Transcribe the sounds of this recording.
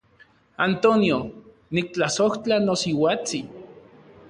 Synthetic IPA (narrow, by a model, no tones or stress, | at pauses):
ant̪onjo | nik̚t͡ɬasoht͡ɬanosiwat͡si